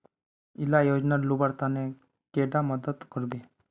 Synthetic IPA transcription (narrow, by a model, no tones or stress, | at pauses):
ilajod͡ʒnalubaɾt̪ane | keɖaməd̪ət̪kəɾbe